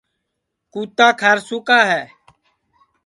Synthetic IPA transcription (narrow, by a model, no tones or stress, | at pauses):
kuːt̪aːkʰəɾsʊkaːɦɛː